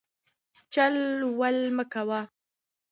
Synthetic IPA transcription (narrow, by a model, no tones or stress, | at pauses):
t͡ʃalwalməkawa